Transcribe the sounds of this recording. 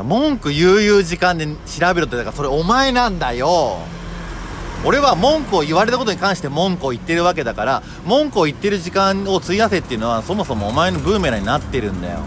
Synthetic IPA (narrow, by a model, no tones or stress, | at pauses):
mõ̞ŋkɯ̟jɯːjɯːʑikãnd̪eɕiɾabe̞ɾɯt̪ːd̪akaɾaso̞ɾeomae̞nãnd̪ajo̞ | oɾe̞βamõ̞ŋkɯoiβaɾe̞t̪ako̞t̪oɲikãɰ̃ɕi̥t̪e̞mõ̞ŋkɯ̟oit̪ːe̞ɾɯ̟βak̬e̞d̪akaɾa | mõ̞ŋkɯ̟oit̪ːe̞ɾɯ̟ʑikãŋo̞t͡sɨiaset̪ːeiɯ̟no̞βaso̞mo̞so̞mo̞ːmae̞no̞bɯːmeɾaɲ̟inat̪ːe̞ɾɯ̟̃nd̪a̰jo̰